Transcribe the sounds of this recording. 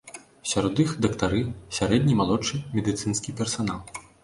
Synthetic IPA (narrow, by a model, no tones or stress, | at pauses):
sʲaɾɔd̪ɨxd̪ɐkt̪aɾɨsʲaɾɛd̪ʲnʲimalˠɔt͡ʂːɨmʲɛd̪ɨt̪sɨnskʲipʲɛrsanalˠ